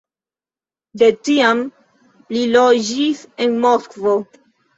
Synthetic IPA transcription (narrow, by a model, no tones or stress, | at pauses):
d̪etiam | lilod͡ʒisenmoskvo